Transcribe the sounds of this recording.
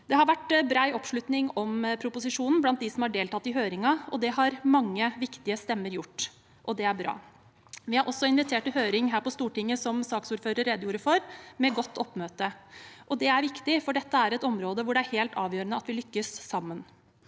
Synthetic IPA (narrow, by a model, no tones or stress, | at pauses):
d̪̥ɛhɑɾʋæʈbɾɑːɪʔɔpʂlʉt̪nɪŋɔmpʰɾʊpʊsɪʂuːnn̩blɑnt̪̚d̪ɪsɔmhɑɖeːlt̪ʰɑt̪ːɪɦøːɾɪŋɑɔd̪ɛɦɑɾmɑŋːəʋɪkt̪ɪəst̪ɛmːəɾjʊʈː | ʔɔd̪ɛæɾbɾɑ̰ː | ʋɪhɑɾʔɔsɔɪnʋɪt̪ʰeːʈɪɦøːɾɪŋɦæːɾpɔst̪uːʈɪŋːəsɔmsɑːksuːɾføːɾəɾːɛd̪əjuːɾəfɔɾmɛɡɔt̪ʰːɔpːmøːt̪əʔɔd̪ɛæɾʋɪkt̪ɪfɔɖɛt̪ːəæɾɛt̪ɔmɾoːd̪əʋʊɖɛæɾheːlt̪ʰɑːʋjøːɾənəɑt̪ʋɪlʏkːəsːɑmːən